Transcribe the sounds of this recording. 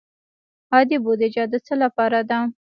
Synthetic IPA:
ɑd̪ibod̪ed͡ʒɑd̪ət͡səlapɑɾad̪a

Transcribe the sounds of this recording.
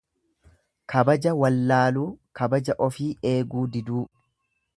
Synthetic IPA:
kʰɐbɐd͡ʒɐwɐlːaːluːkɐbɐd͡ʒɐʔɔfiːʔe̞ːɡuːd̪ɪd̪uː

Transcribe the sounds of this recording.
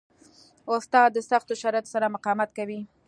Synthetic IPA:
ʊst̪ɑd̪ːəsaxt̪oʃaɾɑjat̪o̥saɾamʊqɑmat̪kawi

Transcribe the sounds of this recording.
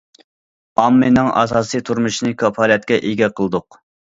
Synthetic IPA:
ɑmːɨnɨŋʔɑ̰sɑːsit̪ʰuɾmuʃinɨkʰɑpʰɑlˠjɛt̪̚kʲɛʔeɡʲɛqʰəlˠɨd̪ʊq

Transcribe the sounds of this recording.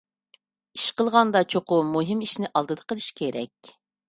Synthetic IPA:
iʃqəlˠʁɑnd̪ɑt͡ʃʰoqʊmuɦimiʃnɪʔɑlˠd̪ɨd̪əqʰəlˠɨʃkʲʰeɾɛ̰kʲ

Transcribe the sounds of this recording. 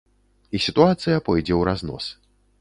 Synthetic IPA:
isʲit̪uat̪sɨjɐpɔjd͡zʲɛwɾaznɔ̰s

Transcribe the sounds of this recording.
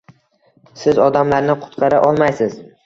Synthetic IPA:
sɪzɒd̪amlaɾnɪqʰʊ̥t̪qʰɑɾaʔɒlˠmajsɪz̥

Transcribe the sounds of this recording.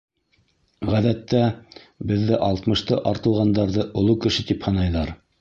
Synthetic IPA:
ʁæðæt̪ːæ | bɘ̆ðːɘʔɑlˠt̪mɤ̆ʃt̪ɤʔɑɾt̪ɤ̆lˠʁɑnd̪ɑɾðɤʔŏlˠukɘ̆ʃɘt̪iphɤ̆nɑjðɑɾ

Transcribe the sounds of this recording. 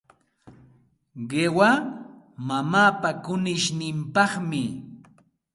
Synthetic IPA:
ɢewa | mamaːpakʊnɪʃnɪmpɑχmɪ

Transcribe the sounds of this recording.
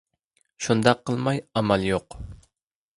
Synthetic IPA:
ʃund̪ɑqʰːəlˠmɑjɑmɑlˠjoq

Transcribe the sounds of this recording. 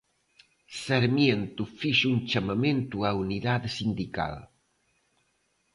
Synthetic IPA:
seɾmjent̪ufiʃunt͡ʃamament̪uauniðad̪sind̪ika̰l

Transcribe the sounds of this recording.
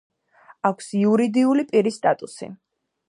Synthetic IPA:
akʷʰsiuɾid̪iulipʼiɾist̪ʼat̪ʼusḭ

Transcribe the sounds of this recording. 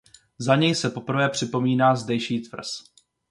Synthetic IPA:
zaɲɛjsɛpo̞pr̩vɛːpr̝̥ɪpo̞miːnaːzdɛjʃiːt̪vr̩s

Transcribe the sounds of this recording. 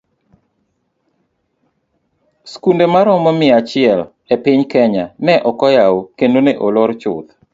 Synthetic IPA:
skundemaɾɔmɔmɪat͡ʃɪɛl | epɪɲkɛɲanɛʔɔkɔjawokendoneʔolɔɾt͡ʃʊ̰t̪

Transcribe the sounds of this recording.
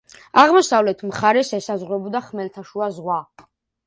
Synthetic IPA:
aʁmɔsavlɛt̪ʰmχaɾɛsɛsazʁɾɛbɔd̪aχmɛlt̪ʰaʃuazʁwa

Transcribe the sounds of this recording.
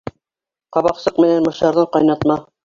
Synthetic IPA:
qɑβɑqsɤqmɘ̆nænmɤ̆ʃt̪ɑɾðɤɴqɑjnɑt̪mɑ

